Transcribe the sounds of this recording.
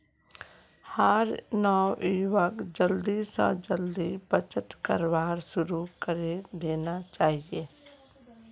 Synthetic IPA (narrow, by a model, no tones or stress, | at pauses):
həɾnɔːiːʋəkd͡ʒəld̪isã̰d͡ʒəld̪ibət͡ʃət̪kəɾʋaːɾsʊɾukəɾed̪eːnat͡ʃaːɦieː